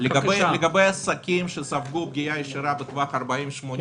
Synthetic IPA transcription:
leɡabejleɡabejasakʲimʃesavɡub̚ɡʲijajeʃiɾabet̪vaχɐɾbaimʃmon

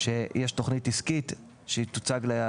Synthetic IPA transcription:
ʃejʔeʃto̞χnitiskit | ʃeit̪ut͡saɡle

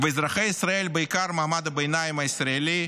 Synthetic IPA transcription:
vɨizɾaχejisɾaelʲbɨikaɾmaɦmad̪ɐbejnajɪmɐisɾaelʲi

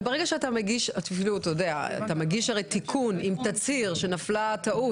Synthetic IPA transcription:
beʁeɡaʃeatameɡiʃatfiluat̪ajodea̰a̰t̪ameɡiʃaʁejt̪ikʰunimt̪at͡siʁʃe̞naflat̪aʔu

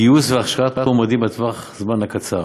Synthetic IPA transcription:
iusveaχʃʁat̪̚omad̪imat̪vaχzmanhakat͡sa̰

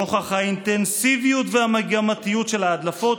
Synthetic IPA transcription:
oχaχaint̪ensivijutveamaɡamat̪ijutʃe̞lhaːd̪lafo̞t

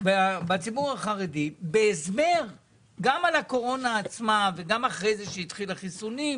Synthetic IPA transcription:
vbat͡sibuʁaχaʁedibeːzmeʁ | ɡamalako̞ʁo̞naːt͡smaveɡamaχʁe̞jzeʃejit̪χilaχisuni

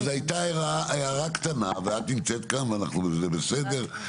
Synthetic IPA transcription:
zajt̪aeʁaʔajaʁakt̪anaveat̪nimt͡set̪kanveanaχnuzebesed̪eʁ

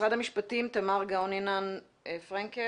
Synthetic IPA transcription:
adhamiʃpatimt̪amaʁɡaoninan | fʁaŋke

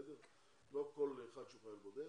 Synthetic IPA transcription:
d̪eʁ | lokolːeːχad̪ʃuχajalbod̪e

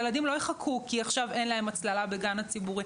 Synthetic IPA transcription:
eladimlo̞jeχakʰukiaχʃave̞nlae̞mat͡slalabe̞ɡanat͡sibuʁi

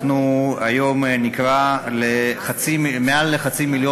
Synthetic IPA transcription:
nuajo̞mnikvaleχat͡simealːeχat͡similjo

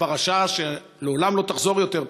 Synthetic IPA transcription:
paʁaʃaʃe | leolamlo̞t̪aχzo̞ʁjo̞t̪e̞ʁ

